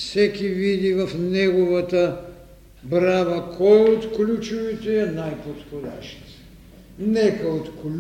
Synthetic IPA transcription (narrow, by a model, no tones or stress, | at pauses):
sɛkivid̪ivafnɛɡɔvat̪a | bɾabakʰɔjot̪klʲut͡ʃuvit̪ɛɛnajpot̪xod̪aʃi̥t̪ | nɛkɐot̪kl